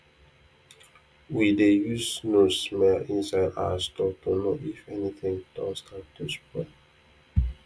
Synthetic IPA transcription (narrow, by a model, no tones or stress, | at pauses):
widejusnosmɛlĩnsala̰stɔtunoʔifɛniθĩŋd̥ɔ̃stat̪uspɹɛ